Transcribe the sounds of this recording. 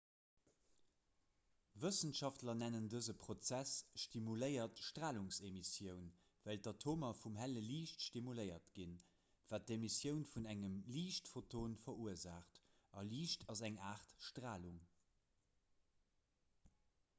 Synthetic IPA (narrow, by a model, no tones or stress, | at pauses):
vəsənʃɑftlɐnænəndəzəpʰχot͡sæsʃtimuləɪɐtʃtʁaːluŋsemisjəʊn | vældɑtʰoːmɐfumɦæləliːʃtʃtimuləɪɐtɡ̥in | vaːt̚demisjəʊnfunæŋəmliːʃtfotʰoːnfɐuəzaːχtɑliːʃtʰɑzæŋaːʁtʃtʁaːluŋ